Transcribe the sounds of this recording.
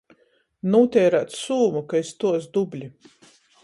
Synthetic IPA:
nuːt̪ʲɛːɾat̪suːmukaist̪uɔsd̪ublʲi

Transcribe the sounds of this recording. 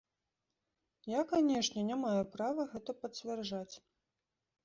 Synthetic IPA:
jakanʲɛʂnʲɛnʲamajupɾavɐɣɛt̪ɐpɐt͡sʲvʲɛrʐat͡sʲ

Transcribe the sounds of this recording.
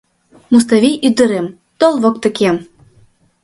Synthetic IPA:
mus̬t̪avʲijyd̪ə̆ɾem | t̪olˠvɤ̆kt̪ə̆kʲem

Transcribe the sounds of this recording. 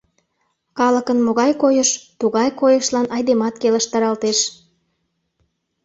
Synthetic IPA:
kɑləkənmoɣɑjkojəʃt̪uɣɑjkojəʃlɑnɑjd̪emɑt̪keləʃt̪ɑɾɑlt̪eʃ

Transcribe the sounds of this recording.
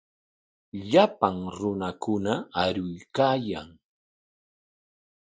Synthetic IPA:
ʎapaŋɾʊnakʊnaaɾʊjkaːjaŋ

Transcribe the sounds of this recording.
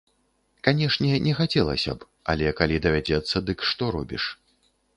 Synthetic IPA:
kanʲɛʂnʲɛnʲɛxat͡sʲɛlˠɐ̰sʲɐ̰p | ɐ̰lʲɛkalʲid̪ɐvʲad͡zʲɛt̪sːɐd̪ɨkʂt̪ɔɾɔbʲiʂ

